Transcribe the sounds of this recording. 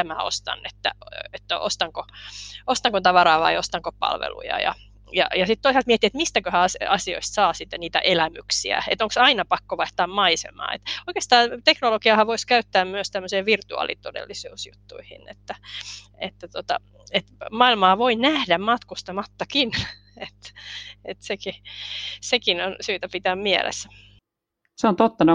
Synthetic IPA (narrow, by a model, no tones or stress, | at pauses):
æmæo̰st̪ɑ̰nːet̪ːæ̰et̪ːæo̰st̪ɑŋkoost̪ɑŋkont̪ɑʋɑrɑːʋɑ̰iost̪ɑŋkopɑ̰lʋḛlṵjɑ̰jɑ̰ | jɑ̰jɑsit̪t̪oisɑlt̪miet̪ːiet̪mist̪ækøhæɑsɑsio̰ist̪sɑːsit̪ːæniːt̪æ̰ʔelæmyksiæ̰ḛt̪oŋksɑinɑpɑkːoʋɑiht̪ɑːmmɑisḛmɑ̰ːḛt̪oikeːst̪ɑːt̪eknolokiɑhɑʋoiskæyt̪ːæːmmyøst̪æmːøseːʋirt̪uɑ̰lḭt̪odḛlːisuːsjṵt̪ːṵihḭnḛt̪ːæ | ḛt̪ːæt̪ot̪ɑ̰ | et̪mɑilmɑːʋoinæhdæmmɑt̪kust̪ɑmɑt̪ːɑkin | et̪et̪seki | sekinonsyːt̪æpit̪æːmmiɛ̰lḛs | seont̪ot̪ːɑne